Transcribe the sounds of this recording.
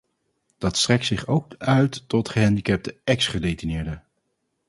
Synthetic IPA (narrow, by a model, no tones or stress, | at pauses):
d̥ɑtstrɛk̚tsɪχowk̚œɥtːɔtχəɦɛndikɛp̚təɛksχədejtinɪːɹdə